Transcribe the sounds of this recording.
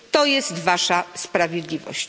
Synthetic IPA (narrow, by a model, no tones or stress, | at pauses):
t̪ɔjɛst̪vaʂaspɾavʲjɛd̪lʲivɔ̰ɕt͡ɕ